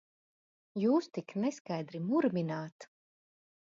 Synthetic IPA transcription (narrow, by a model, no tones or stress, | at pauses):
juːst̪iknɛskajd̪ɾimuɾmʲinaːt̪